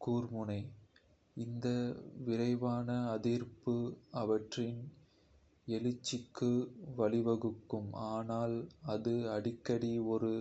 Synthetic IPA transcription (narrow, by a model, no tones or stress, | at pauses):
kuːrmɯnɐɪ | ɪnd̪ɐʋɪɾɐɪʋaːnɐːðiːɾpɯɐʋɐʈrɪn | ɛlɯt͡ʃːɪkːɯʋɐlɪʋɐɣɯkːɯmaːnaːlɐðɯɐɽɪkːɐɽiɔɾɯ